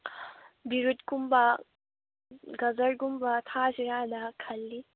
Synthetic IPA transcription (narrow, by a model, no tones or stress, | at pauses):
biɾut̪kumba | ɡɐzɐɽɡumbat̪ʰaːʃiɾaːd̪akʰɐlːi